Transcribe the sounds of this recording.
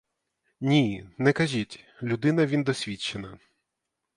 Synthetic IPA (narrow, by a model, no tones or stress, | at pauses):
nʲinɛkɐʒʲitʲlʲʊd̪ɪnɐʋʲind̪ɔsʲʋʲit͡ʃːenɐ